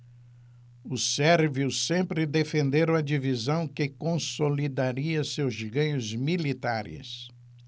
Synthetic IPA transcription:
ʊsɛɾviʊsẽmpɾɪd̪efẽnd̪eɾ̃ɐd͡ʒivizɐ̃w̃kɪkõsolid̪aɾiɐsewzɡɐ̃ɲʊzmilit̪aɾɪ̰s

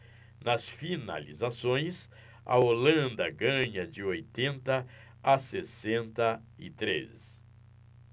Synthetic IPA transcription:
nɐsfina̰lḭzasõj̃s | ɐ̰olɐ̃nd̪ɐɡɐ̃ɲɐd͡ʒɪojt̪ẽnt̪ɐ | asesẽnt̪ɐ | ɪt̪ɾḛs

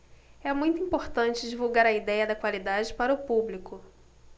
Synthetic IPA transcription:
ɛmũj̃t̪ʊuĩmpoɾt̪ɐ̃nt͡ʃɪd͡ʒivuwɡaɾɐid̪ɛjɐd̪ɐkwalid̪ad͡ʒɪpaɾɐʊpublikʊ

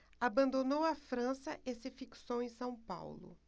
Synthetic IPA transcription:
abɐ̃nd̪onowɐfɾɐ̃sɐʔesɪfiksowẽj̃sɐ̃w̃pa̰wlʊ̰

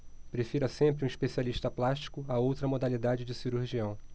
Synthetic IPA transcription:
pɾefiɾɐsẽmpɾɪũiʃpesialiʃt̪ɐplaʃt͡ʃi̥kʊaowt̪ɾɐmod̪alid̪ad͡ʒɪd͡ʒɪsiɾuɾʒiɐ̃w̃

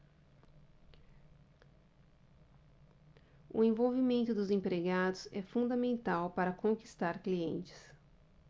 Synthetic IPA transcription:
ʊ̰ẽvowvimẽnt̪ʊd̪ʊzẽpɾeɡad̪ʊzɛfũd̪ɐmẽnt̪awpaɾɐkõki̥st̪aɾkliẽnt͡ʃɪ̥s

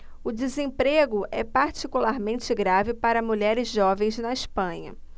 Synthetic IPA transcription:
ʊd͡ʒɪzẽpɾeɡʊʔɛpaɾt͡ʃikulaɾmẽnt͡ʃɪɡɾavɪpaɾɐmuʎɛɾɪzʒɔvẽj̃znɐispɐ̃ɲɐ̰

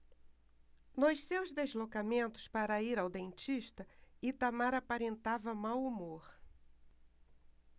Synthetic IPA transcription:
nʊʃsewzd̪ezlokamẽnt̪ʊ̥spaɾɐiɾawd̪ẽnt͡ʃiʃt̪ɐit̪amaɾapaɾẽnt̪avɐmawumoɾ

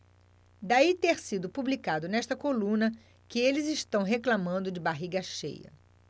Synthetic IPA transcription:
d̪ait̪eɾsid̪ʊpublikad̪ʊnɛʃt̪ɐkolũnɐ | kɪelɪzɪʃt̪ɐ̃w̃ɦeklamɐ̃nd̪ʊd͡ʒɪbaɦiɡɐʃḛjɐ̰

